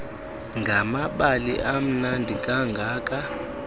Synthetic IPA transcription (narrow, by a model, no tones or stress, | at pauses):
ŋɡʱamaɓalḭʔam̩nandʱikʼaŋɡʱaːkʼa